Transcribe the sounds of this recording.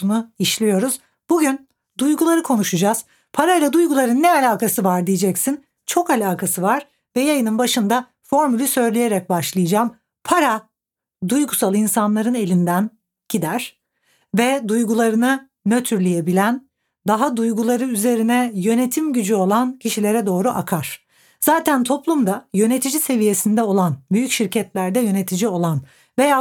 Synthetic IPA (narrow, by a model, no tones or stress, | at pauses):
unuiʃlʲijo̞ɾuz̥ | buɟyn | d̪ujɡulˠaɾɯkʰo̞nuʃud͡ʒaz̥ | pʰaɾailʲad̪ujɡulˠaɾɯnːɛalʲaːkasɯvaɾd̪ijed͡ʒɛcsin | t͡ʃʰo̞kalʲaːkʰasɯvaɾ̥ | vɛjajɯnɯnbaʃɯnd̪a | fo̞ɾmalʲysø̞jlʲejeɾɛc̚baʃlˠɯjɯd͡ʒaːm | pʰaɾa | d̪ujɡusalˠɯinsanlˠaɾɯne̞lʲind̪æn | ɟ̥id̪æɾ̥ | vɛd̪ujɡulˠaɾɯnɯ | møt̪ʰyɾlʲijebilʲæn | d̪aɦad̪ujɡulˠaɾɯyze̞ɾinɛjøne̞t̪ʰimɟyd͡ʒyo̞lˠancʰiʃilʲe̞ɾɛd̪o̞ːɾuʔakʰaɾ̥ | z̥aːt̪ʰænt̪ʰo̞plˠumd̪ajø̞ne̞t̪ʰid͡ʒise̞vije̞sind̪ɛo̞lˠanbyjycʃiɾcʰɛt̪lʲæɾd̪ɛjø̞ne̞t̪ʰid͡ʒio̞lˠan | ve̞ja